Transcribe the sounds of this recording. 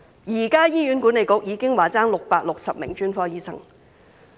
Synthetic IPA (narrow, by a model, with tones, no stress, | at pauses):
jiː˨˩kaː˥jiː˥jyː˨˥nkuː˨˥ne˨˧jkʊ˨˥k̚jiː˨˧˥kɪ˥ŋwaː˨˩t͡saː˥ŋlʊ˨k̚paː˧˥k̚lʊ˨k̚sɐ˨p̚mɪ̰˨˩ŋt͡ʃyː˥nfɔː˧jiː˥sɐ̰˥ŋ